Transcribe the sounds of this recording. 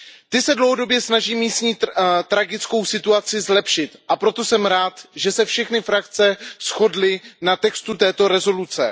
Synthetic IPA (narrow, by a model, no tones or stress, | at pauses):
t̪ɪsɛdlowɦodo̞bjɛsnaʒiːmːiːst̪ɲiːt̪ɾaɡɪt͡sko̞wsɪt̪uat͡sɪzlɛpʃɪt̪ʔapɾo̞t̪o̞sɛmɾaːt̪ʒɛsɛfʃɛxnɪfɾakt͡sɛsxo̞dlɪnat̪ɛkst̪ut̪ɛːt̪o̞ɾɛzo̞lut͡sɛ̰